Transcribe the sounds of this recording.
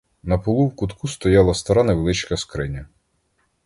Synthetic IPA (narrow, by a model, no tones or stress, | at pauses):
nɐpɔlˠuwkʊt̪kʰust̪ɔjɑlˠɐst̪ɐɾɑnɐʋelˠɪt͡ʃkɐskɾɪnʲɐ